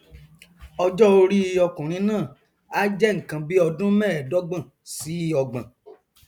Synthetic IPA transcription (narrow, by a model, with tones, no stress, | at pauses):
ɔ˧d͡ʒɔ˦o˧ɾi˦i˧ɔ˧kũ˨ɾ̃ĩ˨˦nãː˦˨ | a˦d͡ʒɛ˦ŋ̩˨kã˧bi˦ɔ˧dũ˦mɛ̃ː˦˨dɔ˦ɡ͡bã˦˨ | si˨˦˧ɔ˧ɡ͡bã̰˨